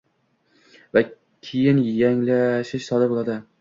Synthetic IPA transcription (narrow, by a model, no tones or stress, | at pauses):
va | kʲʰejɪnjaŋlaʃɪʃsɒd̪abolˠad̪ɪ